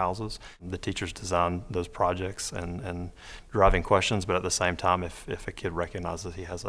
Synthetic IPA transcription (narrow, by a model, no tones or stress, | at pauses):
aʊzəz̥ðɨtʰit͡ʃə˞zdɨzãɪ̃nðoʊz̥pʰɹ̥ɑd͡ʒɛk̚tsɨ̰̃nɨ̃ndɹaɪvɪ̃ŋkʰw̥ɛst͡ʃɨ̃nzbʌɾɨt̪̚ðəsẽɪ̃mtʰãɪ̃mɨfɪfɨkʰɪd̚ɹɛkɨɡ̚naɪzɨt̚hiɨz